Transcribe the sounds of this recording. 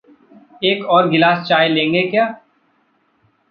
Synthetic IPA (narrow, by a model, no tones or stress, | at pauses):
eːkɔːɾɡɪlaːst͡ʃaːjlẽːŋɡekjaː